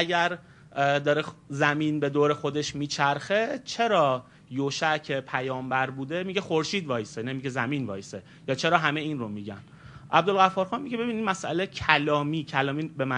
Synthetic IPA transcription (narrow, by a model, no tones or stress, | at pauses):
æɡæɾ | d̪ɒːɾezæmiːnbe̞d̪oːɾe̞xo̞d̪eʃmiːt͡ʃʰæɾxe̞t͡ʃʰe̞ɾɒː | joʃæcʰepʰæjɒːmbæɾbuːd̪e̞miɟexo̞ɾʃiːd̪vɒːjesenemiɟezæmiːnvɒ̰ːjese | jɒːt͡ʃʰe̞ɾɒːɦæme̞iːnromiɟæn | ʔæbd̪olɣæfɒːɾxɒːnmiɟe̞be̞biːnid̪mæsʔæ̰lecʰælɒːmiːcʰælɒːmiːbemæ